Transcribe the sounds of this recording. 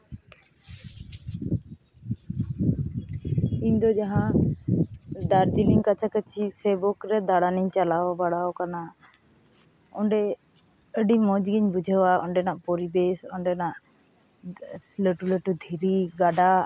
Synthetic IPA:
iɲd̪ɔd͡ʒaɦã | d̪aɾd͡ʒiliŋkat͡ʃʰakət͡ʃʰisɛbɔkɾɛd̪aɽaniɲt͡ʃalawbaɽaɔkana | ɔɳɖɛ | əɖimɔ̃d͡ʒɡiɲbud͡ʒʱəwaɔɳɖɛnaʔpɔɾibesɔɳɖɛnaʔ | ləʈuləʈud̪ʱiɾiɡaɖa

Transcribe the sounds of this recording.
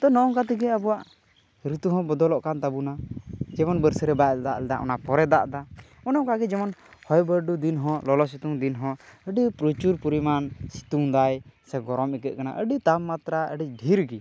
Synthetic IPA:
t̪ɔnɔʔɔŋkat̪iɡɛəbuwaʔ | ɾit̪uɦɔ̃bɔd̪ɔlɔʔkant̪abunad͡ʒɛmɔnbəɾsəɾɛbajlɛd̪a̰ʔlɛd̪a̰ʔɔ̰napɔɾɛd̪a̰ʔd̪a | ɔnɔmkaɡɛd͡ʒɛmɔnhɔjbəɾɖud̪inɦɔ̃lɔlɔs̬it̪uŋd̪inɦɔ̃əɖipɾut͡ʃuɾpuɾimansi̥t̪uŋd̪ajsɛɡɔɾɔmikɛʔ̪̚kana̰ʔəɖit̪amːat̪ɾaə̰ɖiɖʱiɾɡi

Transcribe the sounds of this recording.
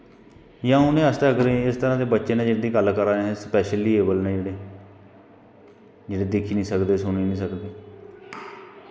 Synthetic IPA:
jãːʊnẽːəst̪eəɡɾeːɪst̪əɾãːd̪eːbətːʃeːnẽːd͡ʒɪnd̪iːɡəlkəɾaːɛ̃spɛːʃəliːeːbəlnɛ̃ːd͡ʒeːɽeː | d͡ʒeːɽeːd̪ɪkʰiːnĩːsəkd̪eːsʊniːnĩːsəkd̪eː

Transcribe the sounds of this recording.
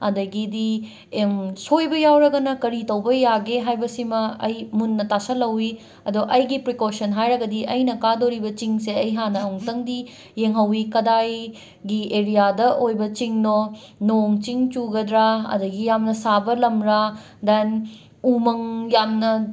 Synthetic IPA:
ɐ̰dɐɡidi | msojbɐjawɾɐɡɐnɐkɐɾitɐwbɐjaɡeɦajbɐsimɐɐ̰jmunːɐtasɐlɐwi | ɐdoʔɐjɡipɾikosɐnɦajɾɐɡɐdiɐjnɐkadoɾibɐt͡ʃiŋseɐjɦanɐuŋtɐŋdi | jeŋɦɐwikɐdaj | ɡieɾijadɐʔojbɐt͡ʃiŋno | noŋt͡ʃiŋt͡ʃuɡɐdɾaɐ̰dɐɡijamnɐsabɐlɐmɾa | den | umɐŋjamnɐ

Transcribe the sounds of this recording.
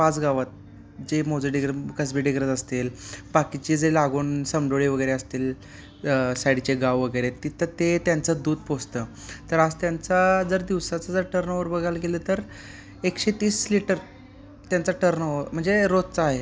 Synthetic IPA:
pat͡sɡaʋət̪̚ | d͡ʑemod͡zəɖiɡɾəkəs̬biɖiɡɾəd͡z̪əst̪elbakit͡ɕid͡zelaɡuːnsəmɖoɭiʋəɡəjɾeəst̪iːl | sajɽt͡ɕeɡaʋʋəɡəjɾet̪it̪ʰət̪et̪jant͡sad̪uːd̪̚post̪ə | t̪əɾad͡zt̪jant͡sad͡zəɾd̪iʋsat͡sad͡zəɾʈəɾnəʋəɾbəɡʱalɡelət̪əɾ | ekɕet̪iːsliʈəɾ | t̪jant͡saʈəɾnəʋəɾm̤əɳd͡zeɾot̪t͡saːɦe

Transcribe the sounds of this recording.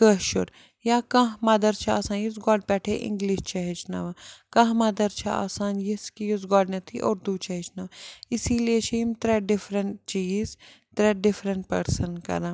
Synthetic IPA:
kəɦʃʊɾ | jaːkãɦmɐd̪ɐɾt͡ʃʰɐa̰ːsaːnjis̬ɡɔːɽ̚pɛːʈʰeʔɪ̰̃ŋɡliʃt͡ʃɐɦɪt͡ʃʰnɐ̰ʋɐkɐ̃ːɦmɐd̪ɐɾt͡ʃʰɐa̰ːsaːnjiskijusɡaːɽnɐt̪ʰiʔoːɾd̪uːt͡ʃɐɦit͡ʃʰnɐʋɪsiliet͡ʃʰimt̪ɾeːɖɪfʰɾɐɳʈ̚t͡ʃiːz | t̪ɾeːɖɪfɾəɳʈ̚pɐɾsənkɐ̰ɾãː

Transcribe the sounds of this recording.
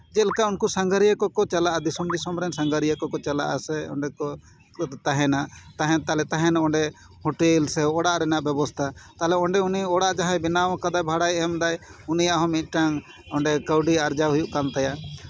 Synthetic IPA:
d͡ʒɛlɛkaunkusaŋɡəɾijəkɔkɔt͡ʃalaʔad̪isɔmd̪isɔmɾɛnsaŋɡəɾijəkɔkɔt͡ʃala̰ʔa̰sɛɔ̰ɳɖɛkɔ | t̪aɦɛnaʔt̪aɦɛnt̪alɛt̪aɦɛnɔɳɖɛ | hɔʈɛlsɛɔɽaʔɾɛnaʔbɛbɔst̪ʰat̪alɛɔɳɖɛuniɔɽaʔd͡ʒaɦãjbinawkad̪ajbʱaɽajɛmd̪ajunijaʔɦɔmit̪̚ˀʈaŋ | ɔɳɖɛkəwɖiaɾd͡ʒaɦujuʔkant̪ajaʔ

